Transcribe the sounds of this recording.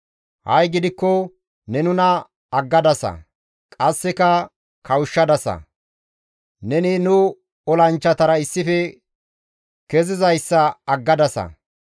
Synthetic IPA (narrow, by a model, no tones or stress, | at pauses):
hɐ̰jɡɪd̪ɪkːɔ | nɛnʊnɐ | ɐɡːɐd̪ɐsɐ̰ | kʼɐsːɛkɐ | kʰɐwʊʃːɐd̪ɐsɐ̰ | nɛnɪnʊ | ɔlɐnt͡ʃːɐt̪ɐɾɐɪsːɪfɛ | kɛzɪzɐjsːɐɐɡːɐd̪ɐsɐ̰